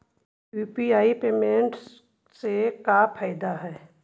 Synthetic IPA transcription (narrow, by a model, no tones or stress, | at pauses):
juːpiaːipeːmẽɳʈs | sekapʰaːɪd̪aɦɛː